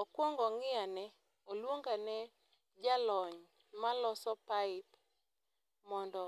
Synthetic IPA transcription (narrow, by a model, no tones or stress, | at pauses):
ɔkwɔŋɡɔŋɪanɛ | olwoŋɡanɛ | d͡ʒalɔɲ | malɔsɔpaɪp | mɔndɔ